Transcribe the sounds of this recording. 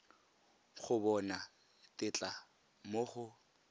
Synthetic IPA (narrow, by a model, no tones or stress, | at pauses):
χʊbɔna | tʼɪt͡ɬʼa | moχʊ